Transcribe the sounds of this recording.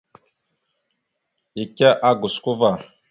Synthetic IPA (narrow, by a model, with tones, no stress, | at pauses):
i˨ka˦ʔa˦ɡu˨sku˦va˨